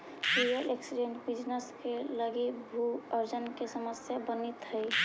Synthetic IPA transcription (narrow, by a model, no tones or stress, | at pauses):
pijəleksiɖeɳʈbid͡ʒnəskeləɡibʱuəɾd͡ʒənkesəməsjabənit̪ɦəɪ